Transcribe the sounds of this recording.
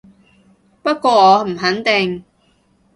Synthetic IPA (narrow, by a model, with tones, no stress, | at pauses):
pɐ˥t̚kʷɔː˧ɔː˨˧˥m̩˨˩ɦɐ˨˥nt̪ɪ˨ŋ